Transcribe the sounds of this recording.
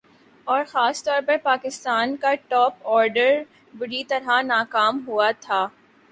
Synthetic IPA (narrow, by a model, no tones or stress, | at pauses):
ɔːɾxaːst̪ɔːɾpɐɾpaːkɪst̪aːnkaʈɔːpɔːɾɖəɾ | bʊɾit̪ɐɾanaːkaːmɦuat̪ʰaː